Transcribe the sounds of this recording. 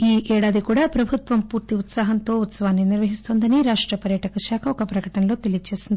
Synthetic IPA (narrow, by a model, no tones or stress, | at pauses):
iːʔɛːɽaːd̪ikuːɽaːpɾɐbʱut̪ʋɐmpuːɾt̪iut̪saːɦɐnt̪o̞ːut̪sɐʋaːnːiniɾʋɐɦist̪oːnd̪ɐniɾaːʂʈɾɐpɐɾjɐʈɐkɐʃaːkʰɐɔkɐpɾɐkɐʈɐnɐlo̞ːt̪e̞lijɐt͡ʃe̞ːsind̪i